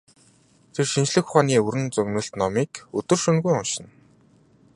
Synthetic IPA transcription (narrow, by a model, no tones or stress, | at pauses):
t̪ʰerʃint͡ɕɮɘ̆xχaːniːɵɾɘ̆nt͡sɵɣnɵ̆ɬt̪nɔmiːkɵt̪ɵ̆rʃɵnɣujɔnʃɪ̆n